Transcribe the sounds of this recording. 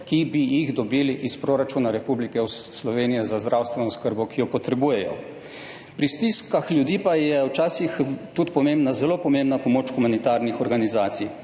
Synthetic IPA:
kibijiɣd̪ɔbiːliʔispɾoːɾat͡ʃuːnaɾɛpublikɛwslɔʋeːnijɛzazd̪ɾaːwst̪ʋɛnɔskəɾbɔkijɔpɔt̪ɾɛbuːjɛjɔ̰ | pɾist̪iskaxljud̪iːpajɛwt͡ʃaːsixt̪ut̪pɔmẽmbnazɛlopɔmẽmbnapɔmoːt͡ʃxumanit̪aːɾnixɔɾɡanizaːt̪sij

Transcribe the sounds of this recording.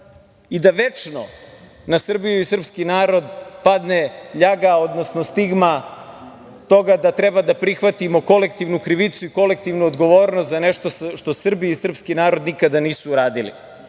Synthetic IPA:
id̪aʋe̞t͡ʂno̞ | nasr̩bijuisrpskinaːɾo̞d̪pad̪neʎaɡao̞d̪nosnost̪iɡma | t̪o̞ɡad̪at̪ɾe̞bad̪apɾixʋat̪imo̞ko̞le̞k̚t̪iːʋnukɾiʋit̪suiko̞lek̚t̪iʋnuod̪ɡo̞ʋoːɾnost̪zaneʃt̪osʃt̪o̞sr̩biisr̩pskinaːɾo̞d̪nikad̪aniːsuːɾaːd̪ilḭ

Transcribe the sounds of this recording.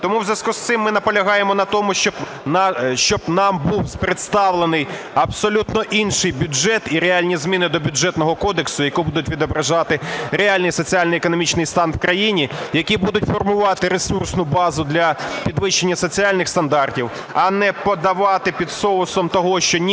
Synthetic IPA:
t̪ɔmuwzʲɐskust̪sɪmːɪnɐpɔlʲɐɦɑjemɔnɐt̪ɔmʊʃt͡ʃɔb | ʃt͡ʃɔbnɑmbuwzpɾet̪st̪ɑwlˠenɪj | ɐpsɔlʲut̪nɔʔinʃɪjbʲʊʒɛt̪iɾealʲnʲizmʲinɪd̪ɔbʲʊd͡ʒɛt̪nɔɦɔkɔd̪eksʊjɐkubud̪ʊtʲʋʲid̪ɔbɾɐʒɑt̪ɪɾeɑlʲnɪjsɔt͡sʲialʲnɔjekɔnɔmʲit͡ʃnɪjst̪ɑnwkɾɐjinʲijɐkʲibud̪ʊtʲfɔrmʊʋɑt̪ɪɾesursnʊbɑzʊd̪lʲɐpʲid̪ʋɪʃenʲːɐsɔt͡sʲiɑlʲnɪxst̪ɐnd̪ɑrtʲiw | ɐnɛpɔd̪ɐʋɑt̪ɪpʲid̪sɔlˠʊsɔmt̪ɔɦɔʃt͡ʃɔnʲ

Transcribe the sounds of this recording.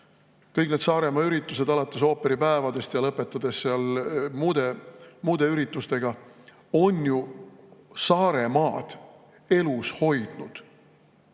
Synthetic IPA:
kɤjkne̞d̪sɑːɾe̞mɑyɾit̪ːˑuse̞d̪ɑlɑt̪ːˑeso̞ːpeɾipæevɑd̪̥e̞st̪jɑlɤpːˑe̞t̪ːˑɑd̪̥e̞sseɑlmuːd̪̥emuːd̪̥e̞yɾit̪ːˑust̪e̞ɡ̥ɑ | o̞nju | sɑːɾe̞mɑːd̪̥ | e̞lusho̞jd̪̥nud̪̥

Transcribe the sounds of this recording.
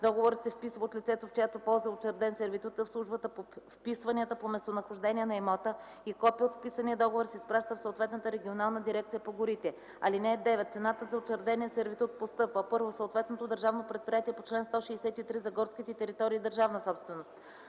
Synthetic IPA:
d̪ɔɡovoɾət̪sɛfpisvəot̪lʲit̪sɛt̪oft͡ʃɛjat̪opɔlˠzəot͡ʃɛɾd̪ɛnsɛɾvit̪ut̪əfslˠuʒbət̪əpofpisvɐnʲiət̪əpomɛst̪onɐxoʒd̪ɛniɛnɐimɔt̪ə | ikɔpiot̪fpisəniəd̪ɔɡovoɾsɛispɾaʃt̪əfsot̪vɛt̪nət̪əɾɛɡʲionalˠnəd̪iɾɛk̚t̪sijəpoɡʊɾit̪ɛ | ɐlinɛːd̪ɛvɛt̪t̪sɛnat̪əzɐot͡ʃɛɾd̪ɛniɛsɛɾvit̪ut̪̚post̪ɤpvəpɤɾvosoːt̪vɛt̪not̪od̪əɾʒavnopɾɛt̪̚pɾijat̪iɛpot͡ʃlɛnst̪ɔʃiːsɛt̪it̪ɾizɐɡɔɾskʲit̪ɛt̪ɛɾit̪ɔɾiːd̪əɾʒavnəsɔpst̪vɛnost̪̚

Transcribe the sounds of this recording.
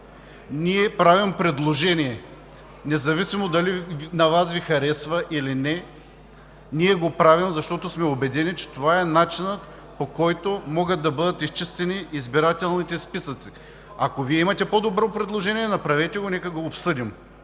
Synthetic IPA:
niɛpɾavimpɾɛd̪lˠoʒɛnʲiɛ | nɛzɐvisimod̪ɐlinɐvasvixɐɾɛsvɐʔilinɛ | niɛɡopɾavimzɐʃt̪ɔt̪osmɛobɛd̪ɛnit͡ʃɛ̥t̪ovaɛnat͡ʃinət̪ | pokɔjt̪omɔɡət̪̚d̪ɐbɤd̪ət̪ist͡ʃist̪ɛniːzbiɾat̪ɛlˠnit̪ɛspisət̪si̥ | ɐkoviɛimɐt̪ɛpod̪obɾopɾɛd̪lˠoʒɛniɛnɐpɾɐvɛt̪ɛɡonɛkəɡoːpsɤd̪im

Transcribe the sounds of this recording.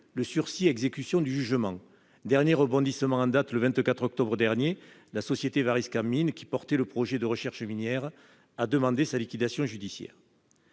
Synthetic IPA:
ləsyʁsiɛɡzekysjɔ̃d̪yʒyʒəmɑ̃ | d̪ɛʁnjeʁəbɔ̃d̪isəmɑ̃ɑ̃d̪at̪ləvɛ̃nt̪kat̪χɔk̚t̪ɔbʁəd̪ɛʁnje | lasɔsjet̪evaʁiskaminkʲi̥pɔʁt̪eləpχɔʒed̪əʁəʃɛʁʃəminjɛʁ | ad̪əmɑ̃d̪esalikʲid̪asjɔ̃ʒyd̪isjɛ̰ːʁ

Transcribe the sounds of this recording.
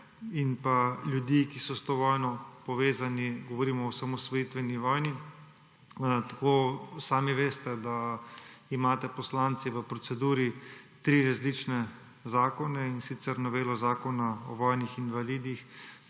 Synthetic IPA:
inpalʲjud̪ikisɔst̪oʋɔːjnɔpɔʋeːzaniɡɔʋoɾiːmɔɔsamɔsʋɔit̪ʋɛniʋɔːjni | t̪ḁkoːsaːmiʋeːst̪ɛd̪a | imaːt̪ɛpɔslaːnt̪siʋəpɾɔt̪sɛd̪uːɾit̪ɾiːɾazlit͡ʃnɛ | zaːkɔnɛinsit̪sɛɾnɔʋeːlɔzaːkɔnaɔ̰ʋɔːjnixinʋaliːd̪ix

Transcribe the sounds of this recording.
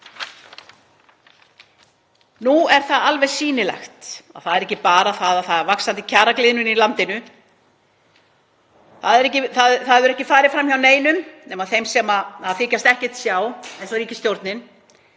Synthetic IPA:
nuɛɾ̥θaðalvɛjsiːnɪlɛ̰xt̪a̰ðθaðɛɾɛhcːɪpaːɾaθaðaðθaðɾvaksant̪ɪcʰaːɾaklɪːðnʏnilant̪ɪnʏ | θaðɛɾɛhcɪθaðθaðvʏɾɛhcɪfaːɾɪfɾamçawneːjnʏmnɛːmaðθejmsɛmaaðfɪːcast̪ɛhcɛ̥t̪sjaːwejnsɔɾiːcɪst̪jowɾt̪nɪn

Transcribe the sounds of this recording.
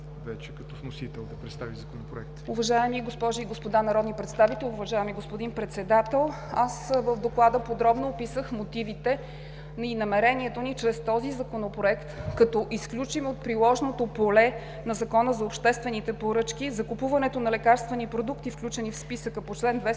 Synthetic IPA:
vɛt͡ʃɛkɐt̪ɔfnosit̪ɛlˠd̪ɐpɾɛt̪st̪avizɐkonopɾoɛkt̪uvɐʒaɛmiɡospɔʒiiɡospod̪anɐɾɔd̪nipɾɛt̪st̪avit̪ɛlʲˠʊvɐʒajəmiɡospod̪inpɾɛt̪sɛd̪at̪ɛlˠ | asvəvd̪oklˠad̪əpod̪ɾɔbnoːpisəxmot̪ivit̪ɛ | ninɐmɛɾɛniɛt̪onit͡ʃɾɛst̪ɔzizɐkonopɾoɛkt̪kɐt̪ɔʔisklʲut͡ʃimot̪̚pɾilˠɔʒnot̪opolɛ | nɐzɐkɔnəzɐopʃt̪ɛst̪vɛnit̪ɛpoɾɤt͡ʃkizɐkupuvɐnɛt̪onɐlɛkaɾst̪vɛnipɾod̪ukt̪ifklʲut͡ʃɛnifspisəkəpot͡ʃlɛnd̪vɛ

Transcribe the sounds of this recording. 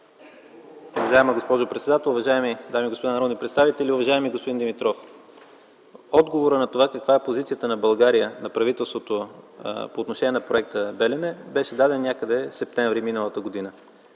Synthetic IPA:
ʊvɐʒaɛməɡospɔʒopɾɛt̪sɛd̪at̪ɛlˠʊvɐʒaɛmid̪amiɡospod̪anɐɾɔd̪nipɾɛt̪st̪avit̪ɛlʲiʊvɐʒaɛmiɡospod̪ind̪imit̪ɾɔf | ɔd̪ɡovoɾənɐt̪ovakəkvaɛpozit̪sijət̪ənɐbɐlˠɡaɾijənɐpɾɐvit̪ɛlˠst̪vot̪o | poːt̪noʃɛnʲiɛnɐpɾoɛk̚t̪əbɛlɛnɛbɛʃɛd̪ad̪ɛnnʲjakəd̪ɛsɛp̚t̪ɛɱvɾiminəlˠət̪əɡod̪inə

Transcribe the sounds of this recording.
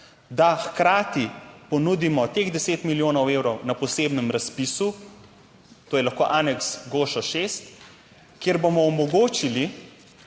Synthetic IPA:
d̪axkɾaːt̪ipɔnud̪imɔt̪eːɣd̪ɛseːt̪miljoːnɔweːwɾɔwnapɔseːbnɛmɾaspisu | t̪oːjɛlaxkoːʔaːnɛksɡoːʃɔʃeːst̪ | kjeːɾbomɔɔmɔɡoːt͡ʃili

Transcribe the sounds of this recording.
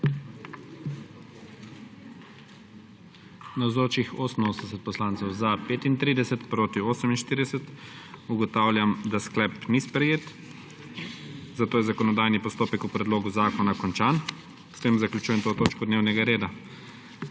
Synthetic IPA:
nawzoːt͡ʃixoːsən̩oːsnɛsɛt̪̚pɔslaːnt̪sɛwzapeːt̪int̪ɾiːd̪ɛsɛt̪pɾoːt̪ioːsəminʃt̪iːɾd̪ɛsɛt̪uɡɔt̪aːwlʲjamd̪asklɛpnispɾɛjeːt̪ | zat̪oːjɛzakɔnɔd̪aːjnipɔst̪oːpɛkupɾɛd̪loːɡuzaːkɔnakɔnt͡ʃaːn | st̪eːmzaklʲut͡ʃuːjɛmt̪oːt̪oːt͡ʃkɔd̪neːwnɛɡaɾeːd̪a

